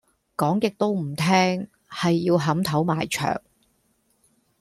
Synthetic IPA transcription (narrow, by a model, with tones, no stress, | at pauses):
kɔː˨˥ŋkɪ˨k̚t̪o˥wm̩˨˩t̪ʰɛː˥ŋ | hɐ˨jːiː˧wɦɐ˨˥mt̪ʰɐ˨˥wma̰ː˨jt͡ʃʰœ̰ː˨˩ŋ